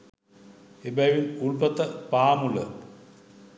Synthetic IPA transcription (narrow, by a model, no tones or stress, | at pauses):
ebɐjʋiluɭpɐt̪ːɐpaːmulə̰